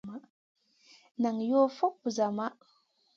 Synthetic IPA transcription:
ma˦ | na˨ŋjo˦fo˦k̚bu˨za˨ma˦ʔ

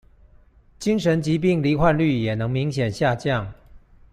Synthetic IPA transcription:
t͡ɕi˥ŋʂə˧˦nt͡ɕi˧˨˥p̬i˥˩ŋli˧˥xwa˥˧nly˥˩jɛ˨˩nɤ˧˦ŋmi˧˥ŋɕjɛ˨˩nɕja˥˧t͡ɕjɑ˥˨ŋ

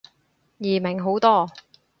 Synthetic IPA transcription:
jiː˨˩mɪ˨˩ŋɦo˨˥wt̪ɔː˥˩

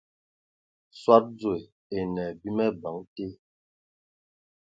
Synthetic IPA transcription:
swa˦t̚d͡zwe˨ | e˨nɛ˨bi˦mɛ˦ba˨˦ŋte˦

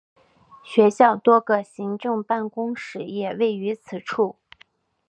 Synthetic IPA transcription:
ɕɥɛ˧˥ɕjɑ˥˩ʊt̪wɔ˥ɡə˧ɕi˧˥ŋʈ͡ʂɤ˥˧ŋpa˥˩nkʊ˥ŋʂɻ̩˧˥jɛ˨˩we˥˩ɪy˧˥t͡sʰɹ̩˨˩ʈ͡ʂʰu˥˩

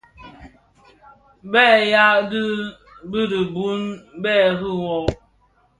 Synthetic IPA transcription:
bɛː˦˨ja˦dɨ˦ | bi˦di˨bu˦n˦bɛː˦ɣu˦˨wɔ˦

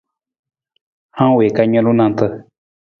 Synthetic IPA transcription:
hã˦we˨ka˧ɲõ˧lu˦nã˧˨t̪ə˧

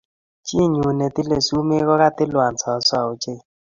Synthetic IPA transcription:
t͡ʃi˦˨ɲu˨ne˨t̪i˦le˨su˦me˦ɣɔ˦ɾa˦t̪ɪ˦lwa˨nsɔ˨˦sɔ˦˨o˨t͡ʃe˦˨

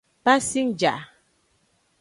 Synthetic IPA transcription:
pa˦si˦ŋd͡ʒa̰˨ʔ

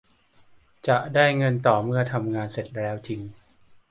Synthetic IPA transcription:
t͡ɕa˨˩ʔdaː˥˩jŋɤ˧nt̪ɔː˨˩mɯ˥˩ɐt̪ʰa˧mŋaː˧nse˨˩t̪̚ɾɛː˦˥wt͡ɕʰi˧ŋ

